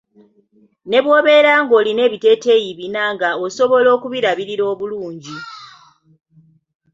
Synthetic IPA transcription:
ne̞βwo̞ːβe̞ːɾaːŋɡo̞ːline̞ːβite̞ːte̞ːjiβinaŋɡaoso̞βo̞lo̞ːkuβiɾaβiɾiɾo̞ːβuluːɲɟi

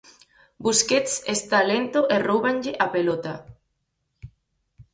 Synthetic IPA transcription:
busket̪sest̪alent̪oʔerowβanʎeʔapelot̪a

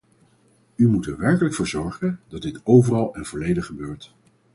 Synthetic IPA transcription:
ymutɛɹʋɛɹkələkfʊːɹzɔɹχəndɑd̚dɪtowvərɑlˠɛnv̥ɔlejdəχəbøːɹt

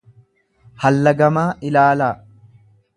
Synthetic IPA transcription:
hɐlːɐɡɐmaːʔɪlaːlaː

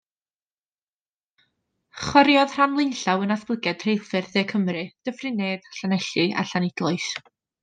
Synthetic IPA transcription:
χɔɾjɔðr̥anlˠɪnɬawənaθb̥lˠəɡɛd̥ʰr̥ejlˠfɨrðeːkʰəmrɨd̥əvrɨneːd̥ɬanɛɬɨʔa̰ɬanɪd̥lˠɔɨs

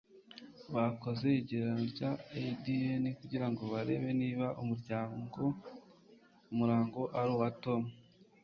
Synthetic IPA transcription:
βako̞ze̞iɟeɾanoɾɟaedienikuɟiɾaŋɡo̞βaɾe̞βe̞niːβaʔumuɾɟaːɡo | umuɾaːŋɡo̞ʔaɾuwatomu

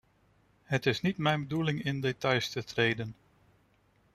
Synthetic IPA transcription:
ɦətɪsnitmɛjnbədulɪŋɪndetɑjstətrejdən

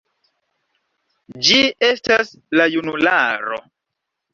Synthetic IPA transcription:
d͡ʒie̞stas | lajunulaɾo̰

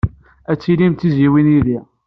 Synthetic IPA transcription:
æt͡sːilimt̪iziwinjiði

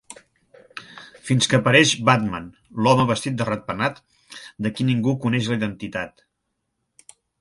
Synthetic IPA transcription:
finskəːpəɾɛʃbat̪ma̰n | lɔməβəst̪it̪̚d̪ərat̪̚pənat̪ | d̪əkiniŋɡukunɛʃləiðənt̪it̪at̪

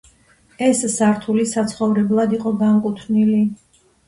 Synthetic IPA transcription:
ɛssaɾt̪ʰulisat̪sʰχɔvɾɛblˠad̪iqʼɔɡaŋkʼut̪ʰnili

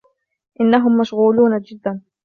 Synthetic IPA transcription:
ʔɪnːaɦʊmːaʃɣuːluːnad͡ʒɪd̪ːan

